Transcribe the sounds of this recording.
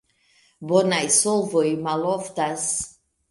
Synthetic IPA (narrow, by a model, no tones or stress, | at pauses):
bɔnajsɔlˠvɔimalˠɔft̪as